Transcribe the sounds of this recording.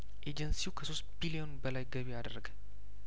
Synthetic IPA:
ʔed͡ʒənsiwkʰəso̞st̪bilio̞nbəlajɡəβiad̪əɾəɡə

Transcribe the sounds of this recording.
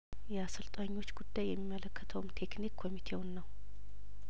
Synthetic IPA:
jɛasɨlt̪ʼaɲːo̞t͡ʃːɡud̪ːajːɛmːimːələkːət̪ʰəwmt̪ʰe̞knikʰːo̞mit̪ʰe̞wʊnːəw

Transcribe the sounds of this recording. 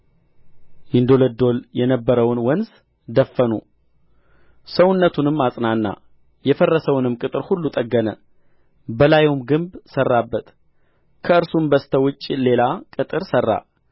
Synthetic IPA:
jɪnd̪o̞ləd̪o̞ljɛnəbːəɾəwnwənz | d̪əfːənu | səwʊnːət̪ʰunɨmːasʼnanːa̰ | jɛfərːəsəwnɨmkʼɨt̪ʼɨɾhulːut̪ʼəɡːənə | bəlajwmɡɨmbsərːabːət̪ | kʰəɨɾsumbəst̪ʰəwʊt͡ʃʼːile̞lakʼɨt̪ʼɨɾsərːa̰

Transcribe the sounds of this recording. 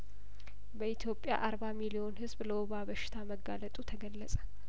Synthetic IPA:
bəit̪ʰjo̞pʼːja̰ʔaɾbamilio̞nhɨzbləwɔβaβəʃɪ̥t̪ʰaməɡalət̪ʼut̪ʰəɡəlːəsʼə̥

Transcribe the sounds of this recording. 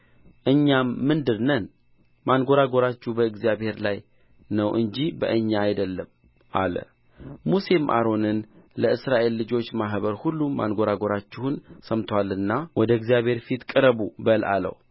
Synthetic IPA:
ʔɨɲːamːɨnd̪ɨɾnən | manɡo̞ɾaɡo̞ɾat͡ʃːuhbəɨɡzijabhe̞ɾlaj | nəwʔɨɲd͡ʒibə̰ʔɨɲːaːjd̪əlːəm | ʔa̰lə̰ | musemʔa̰ɾo̞nɨnləɨsɾaʔe̞lːɨd͡ʒo̞t͡ʃːmaɦβəɾhulːuma̰nɡo̞ɾaɡo̞ɾat͡ʃːɪhunsəmt̪ʰwalɨnːawɔd̪əɨɡzijaβhe̞ɾfit̪kʼɨɾəbubəlʔa̰lə̰w

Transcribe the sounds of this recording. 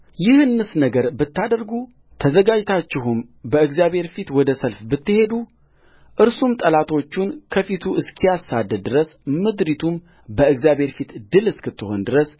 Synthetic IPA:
jɪhɨnːɨsnəɡəɾbɨt̪ːad̪əɾɡu | t̪ʰəzəɡad͡ʒt̪ʰat͡ʃːɪɦum | bəɨɡzjabβhe̞ɾfit̪wɔd̪əsəlfbɨt̪ːɨhe̞d̪u | ʔɨɾsumt̪ʼəlat̪ʰo̞t͡ʃːunkʰəfit̪ʰuʔɨskʰijasad̪ːəd̪̚d̪ːɨɾəsmɨd̪ɾit̪ʰum | bəɨɡzjabe̞ɾfit̪d̪ɨlɨskʰɨt̪ːɨho̞nd̪ɨɾəs

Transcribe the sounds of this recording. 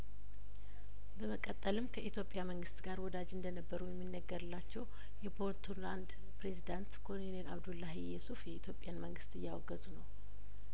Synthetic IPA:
bəməkʼət̪ʼːəlɨmkʰəʔit̪ʰjo̞pʼːjaməŋɡɨst̪ɡaɾwɔd̪ad͡ʒɨnd̪ənəbːəɾujɛmːinːəɡːəɾɨlːat͡ʃːɛw | jɛbo̞ɾt̪ʰuland̪ | pɾe̞zid̪ant̪kʰo̞ninelʔaβd̪ulːaɦijɛsufjɛit̪ʰjo̞pʼɪjanməŋɡɨst̪ɨjːawɔɡəzunəw

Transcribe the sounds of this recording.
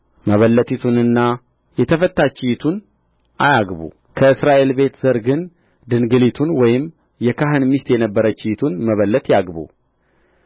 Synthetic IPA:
məβəlːət̪ʰit̪ʰunɨnːa | jɛt̪ʰəfət̪ːat͡ʃɪjt̪ʰun | ʔajaɡβṵ | kʰəɨsɾaʔe̞lbe̞t̪z̥əɾɡɨn | d̪ɨnɡɨlit̪ʰunwɔjɪm | jɛkaɦɨnmist̪jɛnəbːəɾət͡ʃɪjt̪ʰunməβəlːət̪jaɡbṵ

